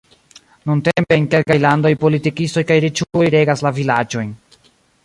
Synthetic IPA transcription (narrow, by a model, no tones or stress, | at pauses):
nunte̞mpe̞nke̞lkajlando̞jpo̞litikisto̞jkajɾet͡ʃuojɾe̞ɡaslavilad͡ʒo̞jn